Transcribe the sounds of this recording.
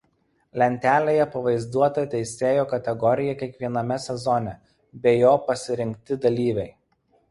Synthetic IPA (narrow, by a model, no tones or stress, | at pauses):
lʲɛnʲt̪ʲæːlʲeːjɛpɐʋɐɪzd̪uɔt̪ɐt̪ʲɛɪsʲeːjoːkɐt̪ʲɛɡɔɾʲɪjɛkʲiɛkʋʲiɛnɐmʲɛsʲɛzɔnʲɛ | bʲejoːpɐsʲɪɾʲɪŋʲk̚ʲt̪ʲɪd̪ɐlʲiːʋʲɛɪ